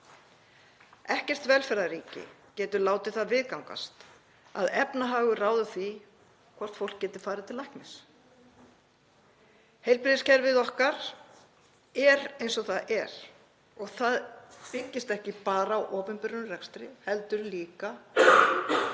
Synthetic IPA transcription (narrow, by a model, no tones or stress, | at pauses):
ɛhcɛr̥t̪vɛlfɛɾðaɾiːcɪ̰cɛːt̪ʏlaːwt̪ɪθaðvɪðkawŋka̰st̪ | a̰ðɛpnaɦaːɣʏraːwðʏθi | kʰvɔr̥t̪fowl̥kcɛːt̪ɪɾ̥faːɾɪt̪ʰɪlajkmɪs | hejlpɾɪðɪscɛɾvɪðɔhkaɾ̥ | ɛɾejnsɔθaðɛɾ̥ | ɔɣθaðpɪcːɪst̪ɛhcɪpaːɾaːwʔɔːpɪmpɪɾʏnʏrɛkst̪ɾɪhɛlt̪ʏɾliːka